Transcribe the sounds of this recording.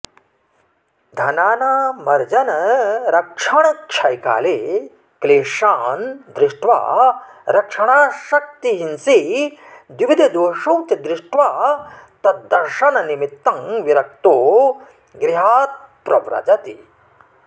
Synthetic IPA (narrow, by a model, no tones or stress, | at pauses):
d̪ʱɐnaːnaːmɐɾd͡ʒɐnɐɾɐkʂɐɳɐkʃʰɐjka̰ːleː | kleːʂaːnd̪ɾɪʂʈʋa̰ː | ɾɐkʂɐɳaːʃɐk̚t̪iɦinsi | d̪iʋid̪ʱɐd̪oʂuwt̪ɐd̪ɾɪʂʈʋaːt̪ɐt̪ːɐɾʂɐnɐnimit̪ːɐŋʋiɾɐk̚t̪oː | ɡɾiɦaːt̪̚pɾɐʋɾɐ̰d͡ʒɐt̪i